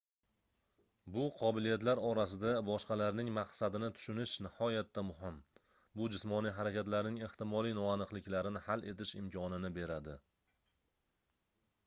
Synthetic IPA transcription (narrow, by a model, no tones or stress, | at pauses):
bʊqʰɒbɪlijat̪laɾɒɾasɪd̪abɒʃqɑlaɾnɪŋmaqsad̪ɪnɪt̪ʰʊ̥ʃʊnɪʃnɪhɒjat̪ʰːamʊhɪm | bʊd͡ʒɪsmɒnijɦaɾakʲat̪laɾnɪŋe̞ht̪ɪmɒlˠijnɒanɨqlˠɪkʲlaɾɪnɪhalʔe̞t̪ʰɪʃɪmkʲʰɒnɪnɪbe̞ɾad̪ɪ